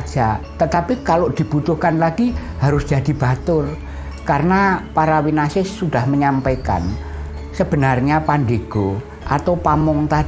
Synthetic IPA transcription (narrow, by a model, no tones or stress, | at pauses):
d͡ʒ̥at̪ət̪apikaloʔd̪̥i̤b̥ut̪ʊhkanlaɡ̥ihaɾʊsd̥d͡ʒ̥a̤d̪̥i̤b̥at̪ʊr | kaɾənapaɾawinasɪsuɖ̥ahməɲampaka̰n | səb̥ə̤narɲapandeɡ̥o | ʔat̪awpamɔŋt̪ḁ